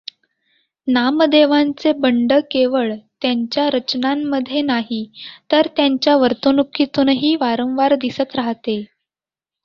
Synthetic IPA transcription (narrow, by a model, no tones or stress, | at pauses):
namd̪eʋant͡sebəɳɖəkeʋəɭt̪jaɲt͡ɕjaɾət͡ɕnamːəd̪ʱːjenaɦit̪əɾt̪jaɲt͡ɕjaʋəɾt̪unukʰːit̪uːnɦiːʋaɾə̃w̃ʋaɾd̪isət̪ɾaɦt̪e